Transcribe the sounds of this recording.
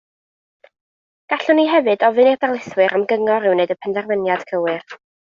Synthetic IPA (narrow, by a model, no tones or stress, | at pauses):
ɡ̥aɬʊniɦɛvɨdɔvɨnirdarlˠɪθwɨɾʔamɡəŋɔɾɪwnejdəpʰəndɛrvənjad̥kʰəwɨr